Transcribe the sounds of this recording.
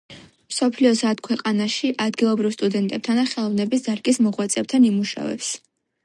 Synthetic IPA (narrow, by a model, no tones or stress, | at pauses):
msɔpʰliɔsat̪kʰwɛqʼanaʃiʔad̪ɡilˠɔbɾivst̪ʼud̪ɛnt̪ʼɛb̚t̪ʰanaχɛlˠɔvnɛbisd̪aɾɡʼismɔʁwat̪sʼɛb̚t̪ʰanimuʃa̰vɛ̰ps